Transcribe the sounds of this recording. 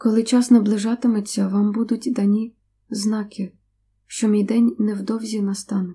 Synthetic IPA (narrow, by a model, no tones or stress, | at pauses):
kɔlˠɪt͡ʃɑsnɐblˠɪʒɑt̪ɪmʊt͡sʲːɐʋɑmbud̪ʊtʲd̪ɐnʲi | znɑkɪ | ʃt͡ʃɔmʲijd̪ɛnʲnɛwd̪ɔwzʲinɐst̪ɑnʊ